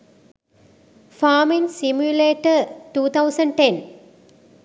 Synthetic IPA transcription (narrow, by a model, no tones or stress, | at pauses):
faːmĩŋsimjuleːʈəʈuːt̪ʰɐwʊsɐ̃ɳɖ̚ʈẽn